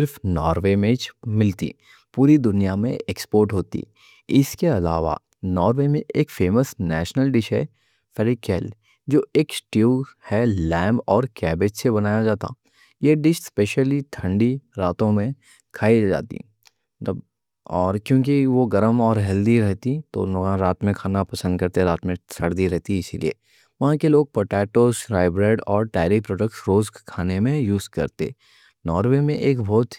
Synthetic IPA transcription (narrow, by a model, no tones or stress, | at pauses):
sɪɾfnɔːɾʋemẽt͡ʃmɪlt̪ḭ | puːɾid̪ʊnijamḛ̃ekspoːɾʈɦoːt̪ḭ | ɪskeɐla̰ːʋa̰ | nɔːɾʋemẽʔeːkfeːməsnɛ̰ːʃnəlɖɪʃɦɛ̰ | fɛɾikɛːl | d͡ʒoːeːksʈihɛlɛ̃ːmbɔːɾkɛːbeːt͡ʃsebɐnaːjad͡ʒaːt̪a̰ | jeɖɪʃspeːʃəlit̪ʰɐ̃ɳɖiɾaːt̪õmẽ | kʰaːid͡ʒa̰ːt̪ḭ | b | ɔːɾkjõːk̬iʋoɡɐɾəmɔːɾɦɛld̪iɾɛɦt̪it̪o̰noɡãɾaːt̪mẽkʰaːnapɐsə̃nd̪̚kɐɾt̪eɾaːt̪mẽsɐɽd̪iɾɛɦt̪iɪsilḭḛː | ʋɐɦãkeloːɡ̚pəʈɛːʈoːsɾaːɪbɾeːɖɔːɾʈaːɪɾipɾoːɖək̚ʈsɾoːzkkʰaːnemẽjuːzkɐ̰ɾt̪ḛ | nɔːɾʋemẽʔeːkbʱɔːt̪